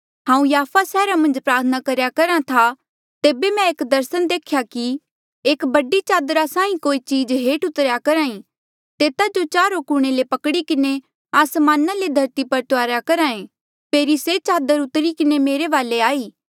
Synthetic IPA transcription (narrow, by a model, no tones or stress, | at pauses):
ɦãːũjaːfʰasɛːɾamɐ̃nd͡ʒpɾaːt̪ʰənakɐɾjakɐɾãt̪ʰa | t̪eːbemɛ̃eːkd̪ɐɾsənd̪eːkʰjaki | eːkbɐɖit͡ʃaːd̪ɾasãːĩkoːit͡ʃiːd͡ʒɦeːʈʊt̪ɾjakɐɾãːĩ | t̪eːt̪ad͡ʒot͡ʃaːɾokuːɽ̃elepɐkɽikɪne | aːsmaːnaled̪ʱɐɾt̪ipɐɾt̪ʊaːɾjakɐɾaːẽ | p̪eːɾiset͡ʃaːd̪əɾʊt̪ɾikɪnemeːɾeʋaːleaːiː